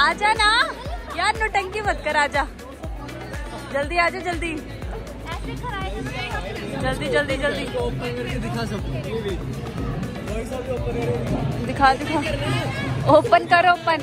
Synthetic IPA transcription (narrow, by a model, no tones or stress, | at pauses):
aːd͡ʒaːnaːkjaːnõʈəŋkiʋəd̪̚kəɾaːd͡ʒaː | d͡ʒəld̪iːaːd͡ʒaːd͡ʒəld̪iː | kʰː | d͡ʒəld̪iːd͡ʒəld̪iːd͡ʒəld̪iːoːpənkəɾked̪ɪkʰãːs̬ɐ | osaːd͡ʒoːpənod̪ɪkʰaːd̪ɪkʰaː | oːpənkəɾoːpən